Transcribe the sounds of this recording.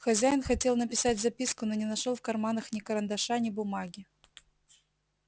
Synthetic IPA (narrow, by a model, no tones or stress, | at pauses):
xɐzʲæjɪnxɐtʲe̞lˠnəpʲɪsatʲzɐpʲiskʊnonʲɪnɐʂolˠfkɐrmanəxnʲɪkəɾənd̪ɐʂanʲɪbʊmaɡʲɪ